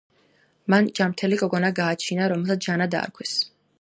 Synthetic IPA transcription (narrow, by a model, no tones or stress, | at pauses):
mand͡ʒamt̪ʰɛlikʼɔɡɔnaɡaːt͡ʃʰinaɾɔmɛlˠsat̪d͡ʒanad̪a̰ːɾkʰwɛs